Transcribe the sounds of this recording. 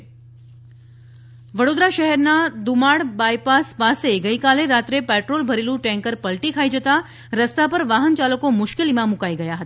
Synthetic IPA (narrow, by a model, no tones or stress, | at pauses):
ʋəɽod̪ɾaʃəɦɛɾnad̪ʊmaɽbajpaspaseɡəikaleɾat̪ɾepɛʈɾolbʱəɾelũʈɛ̃ŋkəɾpəlʈikʰaid͡ʒət̪a | ɾəst̪apəɾʋaɦənt͡ʃaləkomʊʃkɪlimãmʊkaiɡəjaɦət̪a